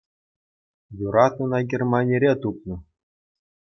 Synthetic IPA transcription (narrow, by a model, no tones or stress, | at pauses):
juɾɑt̪unɑɡʲermɑnʲeɾʲet̪upnɤ̆